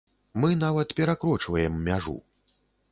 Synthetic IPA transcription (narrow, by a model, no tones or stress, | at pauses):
mɨnavɐt̪pʲɛɾakɾɔt͡ʂvɐjɛmːʲaʐṵ